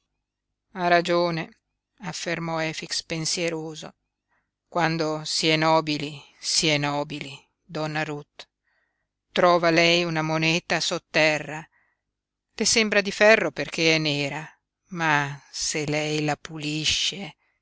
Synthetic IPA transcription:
arad͡ʒoːne | afːermɔɛfikspensjeɾoːzo̰ | kwand̪osiɛnɔːbili | siɛnɔːbili | d̪ɔnːaɾut̪ | ɾɔːvalɛjunamonɛːt̪asot̪ːɛrːa | lesembɾad̪ifɛrːoperkeɛnːeːɾa | maselɛjlapuliʃːe

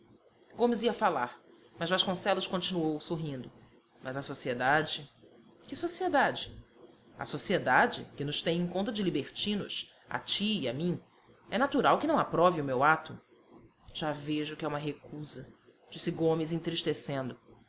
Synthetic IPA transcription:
ɡõmɪziɐfalaɾ | mɐzvaʃkõsɛlʊʃkõnt͡ʃinuowsoɦĩnd̪ʊ | mɐzɐsosied̪ad͡ʒɪ | kɪsosied̪ad͡ʒɪ | ɐ̰sosied̪ad͡ʒɪ̰kɪnʊʃt̪ẽj̃ẽkõnt̪ɐd͡ʒɪlibeɾt͡ʃĩnʊ̰ʃ | a̰t͡ʃiiamĩɲ | ɛnat̪uɾawkɪnɐ̃w̃apɾɔviʊmewat̪ʊ | ʒ̥aveʒʊkɪɛũmɐɦekuzɐ | d͡ʒisɪɡõmɪzẽt̪ɾiʃt̪esẽnd̪ʊ

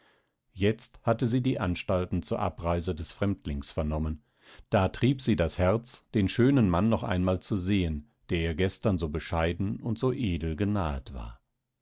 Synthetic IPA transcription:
jɛt͡sthatəziːdiːʔanʃtaltn̩t͡suːɐʔa̰pʁaɪzədɛsfʁ̥ɛmtlɪŋsfɛɐnɔmən | d̥aːtʁ̥iːpz̥iːdashɛɐt͡sd̥eːnʃøːnənmanːɔχʔa̰ɪnmaːlt͡suzeːən | d̥eːɐiːɐɡɛstɐnzoːbəʃaɪdn̩ʊntz̥oːʔeːdl̩ɡənaːtv̥a̰ːɐ

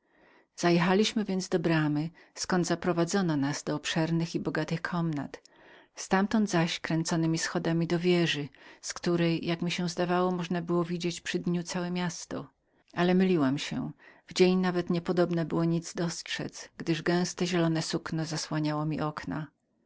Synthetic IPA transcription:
z̥ajɛxalʲiɕmɘvʲjɛnd̪zd̪ɔbɾamɘ | skɔnd̪zapɾɔvad̪zɔnɔnaz̥d̪ɔːpʂɛɾnɘxibɔɡat̪ɘxkʰɔmna̰t̪ | st̪amt̪ɔnd̪zaɕkɾɛnt̪sɔnɘmʲisxɔd̪amʲid̪ɔvʲjɛʐɘskt̪uɾɛjjakmʲiɕɛ̃zd̪avawɔmɔʐnabɘwɔvʲid͡ʑet͡ɕpʂɘd̪ɲut̪sawɛmʲjast̪ɔ̰ | ʔalɛmɘlʲiwamɕɛ̰vd͡ʑeɲnavɛt̪ɲɛpɔd̪ɔbnabɘwɔɲid̪zd̪ɔstʂɛ̰t̪sɡd̪ɘʐɡɛ̃w̃st̪ɛʑɛlɔnɛsuknɔzaswaɲawɔmʲiʔɔkna̰

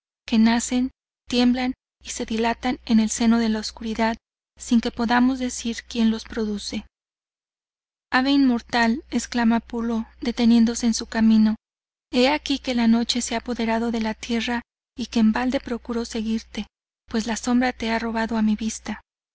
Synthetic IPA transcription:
ke̞nase̞n | t̪je̞mblan | ise̞ðilat̪ane̞ne̞lse̞no̞ðe̞laoskuɾiðað | siŋke̞po̞ðamo̞zðe̞siɾkje̞nlo̞spɾo̞ðuse̞ | aβeinmo̞ɾt̪ale̞sklamapulo̞ðe̞t̪e̞nje̞nd̪o̞se̞ːnsukamĩno̞ | e̞akike̞lano̞t͡ʃe̞seapo̞ðe̞ɾaðo̞ðe̞lat̪je̞ra | ikeːmbald̪e̞pɾo̞kuɾo̞se̞ɣiɾt̪e̞ | pwe̞slaso̞mbɾat̪e̞aro̞β̞aðo̞amiβist̪a

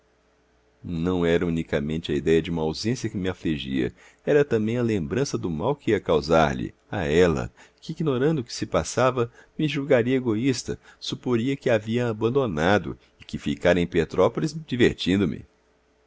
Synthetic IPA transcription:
nɐ̃w̃ɛɾɐũnikamẽnt͡ʃɪɐid̪ɛjɐd͡ʒɪũmɐawzẽsjɐkɪmɪafliʒḭɐ̰ | ɛɾɐt̪ɐ̃mbẽj̃ɐlẽmbɾɐ̃sɐd̪ʊmawkɪiɐkawzaɾʎɪ̰ | a̰ɛlɐ̰kɪiɡnoɾɐ̃nd̪ʊkɪ̥sɪpasavɐmɪʒuwɡaɾiɐeɡoist̪ɐ̰supoɾiɐkɪaviɐːbɐ̃nd̪onad̪ʊ̰ | ɪkɪfikaɾẽj̃pet̪ɾɔpolizd͡ʒiveɾt͡ʃĩnd̪ʊmɪ̰

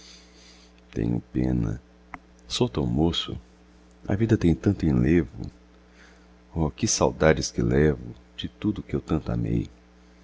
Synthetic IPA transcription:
t̪ḛ̃ɲʊ̰pḛ̃nɐ̰ | sowt̪ɐwmosʊ̰ | ɐ̰vid̪ɐt̪ẽj̃t̪ɐ̃nt̪ʊẽlevʊ̰ | ɔkɪsawd̪ad͡ʒɪskɪlɛvʊd͡ʒɪt̪ud̪ʊkɪewt̪ɐ̃nt̪ʊa̰mḛj

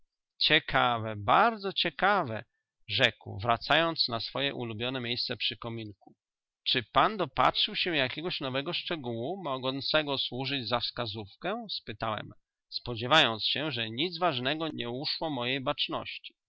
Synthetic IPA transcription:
t͡ɕɛkʰavɛbaɾd̪zɔt͡ɕɛkavɛ | ʐɛkwvɾat̪sajɔnt̪snasfɔjɛʔṵlubʲjɔnɛmʲejst̪sɛpʂɘkɔmʲinku | t͡ʂɘpand̪ɔpa̰tʂɘwɕɛjakʲɛɡɔɕnɔvɛɡɔʂt͡ʂɛɡuwumɔɡɔnt̪sɛɡɔswuʐɘd͡ʑzafskazufkɛspɘt̪awɛ̰m | spɔd͡ʑɛvajɔnt̪sɕɛʐɛɲid̪zvaʐnɛɡɔɲɛuʂwɔmɔjejbat͡ʂnɔ̰ɕt͡ɕi̥

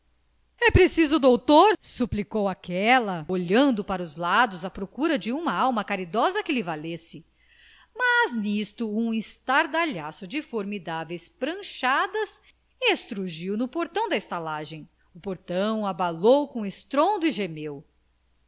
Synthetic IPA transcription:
ɛpɾesizʊd̪owt̪oɾsuplikowakɛlɐoʎɐ̃nd̪ʊpaɾɐʊzlad̪ʊzɐpɾokuɾɐd͡ʒɪũmɐawmɐkaɾid̪ɔzɐkɪlɪvalesɪ | maznist̪ʊũist̪aɾd̪aʎasʊd͡ʒɪfoɾmid̪avejspɾɐ̃ʃad̪ɐs | iest̪ɾuʒiwnʊpoɾt̪ɐ̃w̃d̪ɐɪst̪alaʒẽj̃ | ʊpoɾt̪ɐ̃w̃abalowkõest̪ɾõnd̪ʊiʒemew

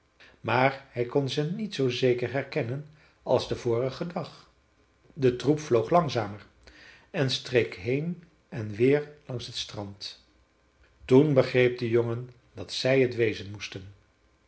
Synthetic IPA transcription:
maːɹhɛjkɔnzənitsowzejkəɹɦɛɹkɛnən | ɑ̰lˠzdəvʊːrəχədɑχ | dətrupflowχlɑŋzaːmər | ɛnstrejkɦejn | ɛnʋɪːɹlɑŋsɦətstrɑnt | tunbəχrejp̚dəjoŋən | dɑtsɛjɦətʋejzənmustən

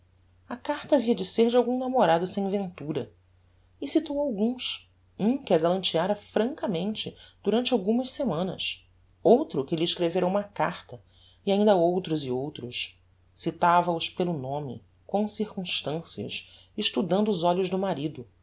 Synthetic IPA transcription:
ɐkaɾt̪ɐaviɐd͡ʒɪseɾd͡ʒɪawɡũnamoɾad̪ʊsẽj̃vẽnt̪uɾɐ | ɪsit̪owawɡũs | ũkɪɐɡalɐ̃nt͡ʃiaɾɐfɾɐ̃ŋkɐmẽnt͡ʃɪd̪̥uɾɐ̃nt͡ʃawɡũmɐʃsemɐ̃nɐ̰s | owt̪ɾʊkɪlɪːʃkɾeveɾɐũmɐka̰χt̪ɐ | iaĩnd̪ɐowt̪ɾʊziowt̪ɾʊs | sit̪avɐʊʃpelʊnõmɪ̰ | kõsiɾkũʃt̪ɐ̃siɐ̰s | ɪʃt̪ud̪ɐ̃nd̪ʊːzɔʎʊʒd̪ʊmaɾid̪ʊ

